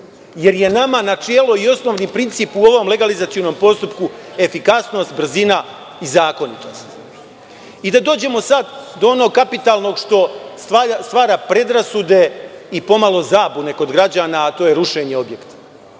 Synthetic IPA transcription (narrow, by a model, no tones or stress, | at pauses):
je̞ɾje̞namanat͡ʃijeloio̞sno̞ːʋnipɾint̪siːpuo̞ʋo̞mle̞ɡalizat̪ijono̞mpo̞st̪upkue̞fikasno̞ːst̪br̩zina | izaːko̞nit̪o̞st̪ | id̪ad̪o̞ːd͡ʑe̞mo̞sad̪d̪o̞ono̞ɡ̚kapit̪aːlˠno̞ɡʃt̪o̞sast̪ʋaːɾaːpɾe̞d̪ɾasud̪e̞ipo̞malˠo̞zaːbune̞ko̞d̪ɡɾad͡ʑaːnaːt̪o̞ːjeɾuʃe̞ɲe̞o̞bje̞kt̪ḁ